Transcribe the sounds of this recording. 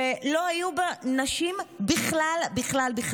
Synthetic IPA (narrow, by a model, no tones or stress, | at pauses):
elo̞hajubanaʃimbiχlalbiχlalbiχ